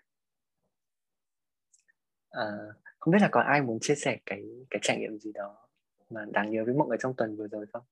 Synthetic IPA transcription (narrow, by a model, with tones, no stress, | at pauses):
ʔəː˨˩xə˧wŋ͡mɓi˦˥t̚laː˨˩kɔ˨˦nʔaː˧jmu˨˦ənt͡ɕi˧əsɛ˧˩kaː˨˦jkaː˨˦jt͡ɕaː˧˩jŋḭ˧˨əmzi˨˩ɗɔ˨˦ | maː˨˩ɗaː˨˩ŋɲəː˨˦vəː˨˦jm̰˧˨ʔəː˧˩t͡ɕɔ˧wŋ͡mt̪wə˨˩nvɨ˨˩əzo˨˩jsə˧wŋ͡m